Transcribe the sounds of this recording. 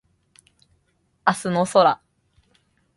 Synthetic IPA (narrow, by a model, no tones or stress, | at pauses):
asɨnosoɾa